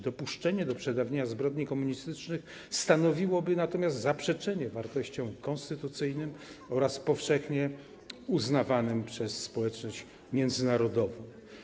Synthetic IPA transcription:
d̪ɔpuʂt͡ʂɛɲɛd̪ɔpʂɛd̪avɲeɲazbɾɔd̪ɲikɔmuɲist̪ɘt͡ʂnɘx | st̪anɔvʲiwɔbɘnat̪ɔmʲjast̪zapʂɛt͡ʂɛɲɛvaɾt̪ɔɕt͡ɕɔ̃w̃kɔnst̪ɘt̪ut̪sɘjnɘmɔɾaspɔfʂɛxɲɛ | uznavanɘmpʂɛsːpɔwɛt͡ʂnɔɕt͡ɕ | mʲjɛnd̪zɘnaɾɔd̪ɔvɔ̃w̃

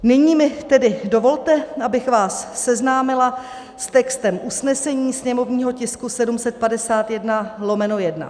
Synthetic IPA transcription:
nɪɲiːmɪt̪ɛdɪdo̞vo̞lt̪ɛʔabɪxvaːsːɛznaːmɪla | st̪ɛkst̪ɛmʔusnɛsɛɲiːsɲɛmo̞vɲiːɦo̞cɪskusɛdumsɛt̪̚padɛsaːt̪jɛdnalo̞mɛno̞jɛdna̰

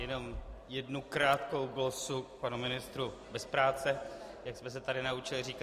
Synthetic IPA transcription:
jɛno̞mjɛdnukɾaːt̪ko̞wɡlosuk̚panumɪnɪst̪ɾubɛspɾaːt͡sɛjaksmɛs̬ɛt̪adɪnaut͡ʃɪlɪriːka

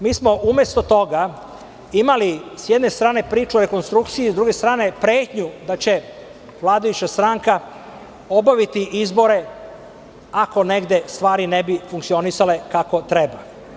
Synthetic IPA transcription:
miːsmo̞ʔume̞st̪o̞t̪o̞ɡa | imalisjed̪ne̞st̪ɾaːne̞pɾiːt͡ʃuoɾe̞ko̞nst̪ɾukt̪sijizd̪ɾuɡe̞st̪ɾaːne̞pɾeːt̪ɲud̪at͡ɕe̞ | ʋlˠaːd̪ajut͡ɕast̪ɾaːŋka | o̞baʋit̪iʔizbo̞ɾe̞ | ako̞ne̞ɡd̪e̞st̪ʋaːɾinebifuŋkt̪sio̞nisale̞kako̞t̪ɾeba

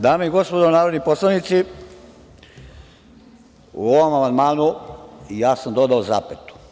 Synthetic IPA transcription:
d̪aːmeiɡo̞spo̞d̪onaːɾod̪nipo̞slˠaʋnit̪si | ṵo̞ʋo̞mamand̪maːnuijaːsamd̪o̞d̪aoza̰ːpet̪u̥

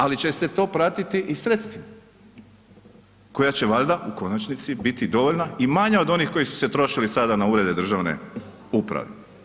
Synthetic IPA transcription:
alit͡ɕe̞set̪o̞ːpɾat̪it̪iʔisɾe̞t̪st̪ʋima | ko̞jat͡ɕe̞ʋaʎd̪aʔuko̞nat͡ʃnit̪sibit̪id̪o̞ʋo̞ʎnaimaɲao̞d̪o̞nixko̞jisu̥se̞t̪ɾo̞ʃilisad̪anauːɾe̞d̪e̞d̪ɾr̩ʒaʋne̞̰ | upɾa̰ʋḛ

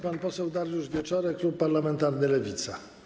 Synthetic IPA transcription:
panpɔsɛwd̪aɾjuʐvʲjɛt͡ʂɔɾɛklupːaɾlamɛnt̪aɾnɘlɛvʲit̪sa

